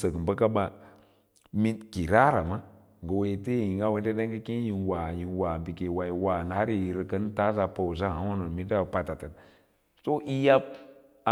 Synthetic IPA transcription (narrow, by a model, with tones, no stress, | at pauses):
sə˨ɡə˨mbə˦ka˦ba˦ | mi˦nki˨ɾa˦ɾa˨ma˦ | ŋ˨ɡə˨we˦te˦ji˨ŋa˦we˦n˦de˦ɗe˦ŋɡə˦ki˦ji˨nwa˨ji˨nwa˨bi˨ke˨wa˨ji˨wa˨n˨ha˦ɾi˨jɾə˨kə˦n˦ta˦za˨po˨wz̬a˦ha˦a˦no˨mi˦da˦˨pa˨ta˨tə˨ | so˦ʔi˦ja˦b̚ | a˨